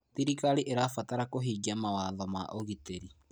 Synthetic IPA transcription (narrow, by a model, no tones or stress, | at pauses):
tiɾikaɾiʔeɾafataɾakoɦiːɡiamawaðɔmaʔoɣiteɾi